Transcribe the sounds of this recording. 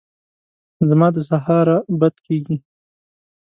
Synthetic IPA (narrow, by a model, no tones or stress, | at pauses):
zəmɑd̪əsaɦɑɾabad̪keɡi